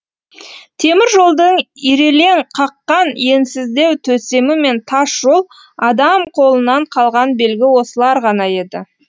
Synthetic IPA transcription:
t̪ʰe̞mɪɾʒo̞lˠd̪əɴiɾe̞le̞ɴqʰɑqːɑnje̞nsɪzd̪e̞wt̪ʰɵse̞mɪme̞nt̪ʰɑsʒ̥o̞lˠ | ɑd̪ɑmqʰo̞lˠənɑɴqʰɑlˠʁɑnbe̞lɡʲɪwo̞səlˠɑɾʁɑnɑje̞d̪ɪ̰

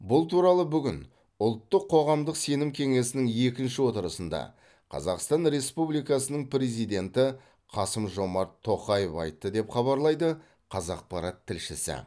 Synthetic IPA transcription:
bʊlˠt̪ʰuɾɑlˠəbʏɡʲɪn | ʊlˠt̪ːəqʰːo̞ʁɑmd̪əqse̞nɪmkʲʰe̞ŋe̞sɪnɪŋje̞kʲɪnʃɪwo̞t̪əɾəsənd̪ɑ̰ | qʰɑ̰zɑqst̪ɑnɾe̞spublijkɑsənəɴpɾe̞zijd̪e̞nt̪ɪ | qʰɑsəmʒo̞mɑɾt̪ʰːo̞qɑjefɑ̰jt̪ːəd̪e̞pχɑβɑɾlˠɑjd̪ə | qʰɑzɑq̚pɑɾɑt̪ʰːɪlʃɪsɪ̰

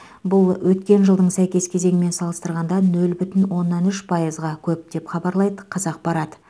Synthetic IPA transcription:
bʊlˠwɵt̪kʲe̞nʒəlˠd̪əɴsæjkʲe̞skʲʰe̞ze̞ŋʲɪme̞nsɑlˠəst̪əɾʁɑnd̪ɑnɵlbʏt̪ɪnwo̞nːɑnʏʃpʰɑjəzʁɑkʲʰɵp̚d̪̥e̞pχɑbɑɾlˠɑjd̪əqʰɑzɑq̚bɑɾɑd̪ə

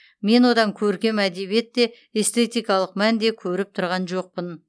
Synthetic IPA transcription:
me̞nwo̞d̪ɑŋkʲʰɵɾkʲe̞mæd̪e̞βije̞t̪ːe̞ | est̪ʰe̞t̪ijkɑlˠəqmænd̪e̞kʲʰɵɾɪp̚t̪ʰʊɾʁɑnʒo̞q̚pən

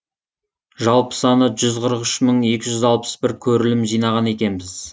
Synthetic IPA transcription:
ʒɑlˠpə̥sɑnəʒʏzqʰəɾəqʏʃməɴe̞kʲɪʒʏzɑlˠpə̥sbɪɾkʲʰɵɾɪlɪmʒijnɑʁɑne̞kʲe̞nbɪz̥

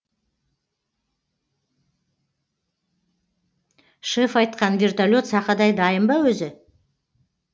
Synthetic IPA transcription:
ʃefɑjt̪̚qɑnvʲert̪alʲo̞t̪sɑqɑd̪ɑjd̪ɑjəmbɑwɵzɪ

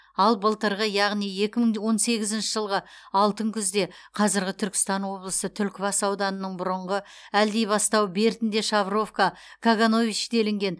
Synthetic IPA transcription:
ɑlˠbəlˠt̪əɾʁəjɑʁnije̞kʲɪməɴwo̞nse̞ɡʲɪzɪnʃɪʒəlˠʁə | ɑlˠt̪əŋkʲʰʏzd̪e̞ | qʰɑzɪɾɡʲɪt̪ʰʏɾkʲɪ̥st̪ɑnwo̞blˠəsət̪ʰʏlkʲɪbɑsɑwd̪ɑnənəɴbʊɾəɴʁə | æld̪e̞jbɑst̪ɑwbe̞ɾt̪ɪnd̪e̞ʃɑvro̞fka | kʰaɡano̞vit͡ʃd̪e̞lɪŋɡʲe̞n

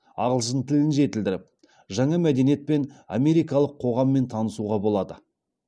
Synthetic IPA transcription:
ɑ̰ʁəlˠsənt̪ʰɪlɪnʒe̞t̪ɪld̪ɪɾɪp̚ | ʒɑɴɑmæd̪e̞nije̞t̪̚pe̞na̰me̞ɾijkɑlˠəqʰːo̞ʁɑmːe̞nt̪ʰɑnəsuʁɑbolˠɑd̪ə

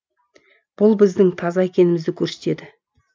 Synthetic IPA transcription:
b̥ʊlˠbɪzd̪ɪŋt̪ʰɑzɑe̞kʲe̞nɪmɪzd̪ɪkʲʰɵɾse̞t̪e̞d̪ɪ

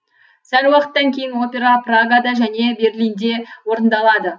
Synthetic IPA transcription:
sælwɑqə̥t̪ːɑŋkʲʰe̞jɪnwo̞pʲe̞ɾɑpraɡad̪ɑʒæne̞be̞rlijnd̪e̞wo̞ɾənd̪ɑlˠɑd̪ə

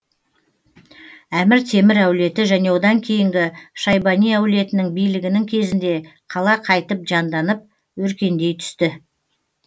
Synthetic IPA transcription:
æmɪɾt̪ʰe̞mɪɾæwle̞t̪ɪʒæne̞wod̪ɑŋkʲʰe̞jɪŋɡʲɪʃɑjbɑnijæwle̞t̪ɪnɪŋbijlɪɡʲɪnɪŋkʲʰe̞zɪnd̪e̞qʰɑlˠɑqʰɑjt̪əp̚ʒɑnd̪ɑnəp̚ | wɵɾkʲe̞nd̪e̞jt̪ʰʏ̥st̪ɪ

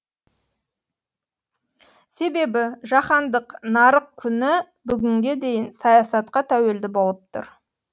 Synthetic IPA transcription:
se̞be̞bɪʒɑχɑnd̪əqnɑɾəq̚kʲʰʏnɪ | bʏɡʲɪŋɡʲe̞d̪e̞jɪnsɑjɑsɑt̪qɑt̪ʰæwe̞ld̪ɪbo̞lˠəp̚t̪ʰʊ̰ɾ

